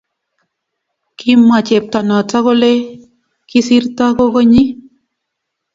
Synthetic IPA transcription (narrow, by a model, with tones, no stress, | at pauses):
ki˦mːa˨t͡ʃe˨p̚t̪a˨na˨ta˦ɣo˦le˦ | ki˦si˦ɾt̪a˦ko˦ko˦ɲi˦